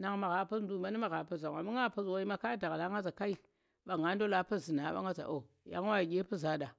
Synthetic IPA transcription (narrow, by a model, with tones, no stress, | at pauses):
na˨ŋma˨ɣa˨pu˦sn˦du˦˨ma˦ni˦ma˨ɣa˨pu˦za˨ŋ˨a˨mi˦ŋa˦˨pu˦swo˦i˦ma˦ka˦da˨ɣla˨˦ŋɡa˦za˨ka˦i˨ | ɓa˨ŋɡa˦ndo˦la˦pu˦zi˨na˨˦ɓa̰˦ŋɡa˦za̰˨ʔo˨ | ja̰˨ŋ˦wa˦i˨ɡʲe˦pu˦za˨˦da˨